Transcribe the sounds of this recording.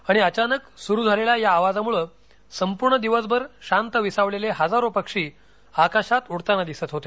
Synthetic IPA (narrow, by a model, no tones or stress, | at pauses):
aɽ̃iət͡ɕanəksuɾuːd͡zʱalelajaːʋad͡zamuɭəː | səmpuɾɳəd̪iʋəsbəɾɕant̪əʋisaʋleleɦəd͡zaɾopəkʂiː | akaɕat̪uɽt̪anad̪isət̪ɦot̪e